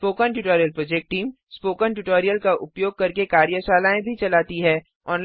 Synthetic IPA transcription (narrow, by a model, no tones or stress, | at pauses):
poːkənʈuʈɔːɾijəlpɾɔːd͡ʒek̚ʈʈiːm | spoːkənʈuʈoːɾijəlkaʔʊpjoːɡ̚kɐɾkekaːɾjəʃaːlaːẽbʱit͡ʃɐlaːt̪iɦɛː | ɔːn